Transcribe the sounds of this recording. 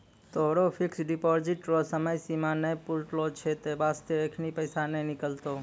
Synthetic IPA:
t̪oɦɽopʰɪksɖɪpɔɾd͡ʒiʈɾosəməjsimãnəjpuɾʈlot͡ʃʰet̪ebast̪eekʰnipəjsanenɪkəlt̪o

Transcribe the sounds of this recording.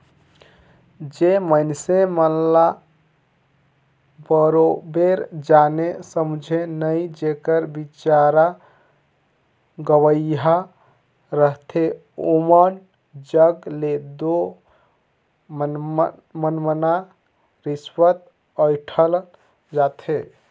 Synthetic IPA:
d͡ʒeməjnsemənla | bəɾobeɾd͡ʒanesəmud͡ʒʱenəjd͡ʒekəɾbit͡ʃaɾa | ɡəwəjɦa | ɾəɦt̪ʰe | omən | d͡ʒəɡled̪o | mənməna | ɾiswət̪ | əjʈʰəl | d͡ʒat̪ʰe

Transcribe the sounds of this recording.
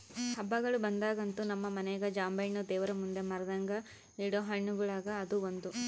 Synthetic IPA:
hɐbːɐɡɐɭubɐnd̪aːɡɐnt̪unɐmːɐmɐnɛjɐɡɐd͡ʒaːmbɐjnud̪ɛːʋɐɾɐmund̪emɐɾɐd̪ɐŋɡɐ | iːɽoɦɐɳːuɡɐɭaːɡɐːd̪uond̪u

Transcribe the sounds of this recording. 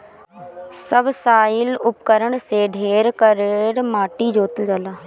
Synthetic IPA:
səbsaːɪlʊpkəɾəɳseɖʱeːɾkəɾeɾmaːʈid͡ʒoːt̪əld͡ʒəlaː

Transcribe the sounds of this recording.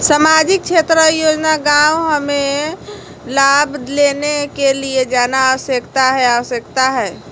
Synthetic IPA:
səmad͡ʒik̚t͡ʃʰet̪ɾəjod͡ʒnaɡawɦəme | labʱlenekelied͡ʒanaəʋəsjəkt̪aɦɛaʋəsjəkt̪aɦɛː

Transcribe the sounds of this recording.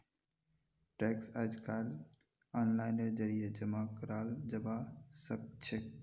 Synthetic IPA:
ʈɛːksad͡ʒkal | aːnlaːɪnəɾd͡ʒəɾijed͡ʒəmakəɾaːld͡ʒəbasəb̚t͡ʃʰek̚

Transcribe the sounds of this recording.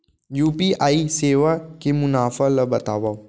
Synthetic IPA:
juːpiaːiseːʋakemʊnaːfəlɐbɐt̪aːʋaː

